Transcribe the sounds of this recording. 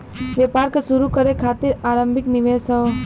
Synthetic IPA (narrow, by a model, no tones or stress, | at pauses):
ʋepaːɾkəsuɾukɐɾekʰaːt̪iɾaːɾə̃mbʱɪknɪʋeːsə